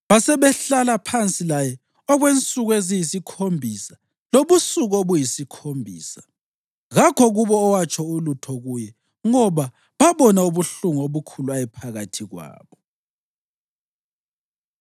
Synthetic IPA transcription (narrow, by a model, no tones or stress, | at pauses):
βasɛβɛɬalapʰant͡sʼilajɛ | ɔɣwent͡sʼuɣezijisikʰombʱisa | loβusuɣoβujisikʰombʱḭːsa | ɣakʰɔɣuβɔːwat͡ʃʰʼɔulutʰɔɣujɛ | ŋɔβa | βaβɔnauβuɬuŋɔoβukʰuluajɛpʰaɣatʰiɣwa̰ːβɔ